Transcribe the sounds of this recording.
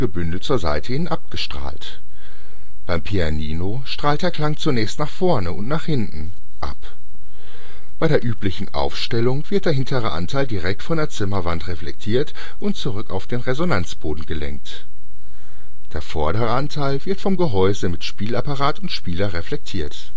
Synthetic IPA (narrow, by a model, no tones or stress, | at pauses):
ɡəbʏndl̩tt͡suːɐza̰ɪtʰəhɪnənʔap̚ɡ̥əʃtʁ̥a̰ːlt | b̥aɪmpʰianiːno | ʃtʁ̥aːltɐkl̥aŋt͡sunɛːçstnaːχfɔɐnəʊntnaːχhɪntn̩ | ʔa̰p | b̥aɪɾeːɐʔyːplɪçn̩ʔa̰ʊfʃtɛlʊŋv̥ɪɐt̚d̥eɐɦɪntʰəʁə̰ʔa̰ntʰaɪldiʁɛk̚tfɔndeːɐt͡sɪmɐvantʁeflɛ̰k̚tʰiːɐt | ʔʊntt͡suʁʏkaʊfd̥eːnʁezonant͡sb̥oːdn̩ɡəlɛ̰ŋk̚t | d̥eːɐfɔɐɾəʁəʔantʰaɪlvɪɐtfɔmɡəɦɔʏzəmɪtʃpiːlapaʁaːtʊntʃpiːlɐʁeflɛk̚tʰiːɐt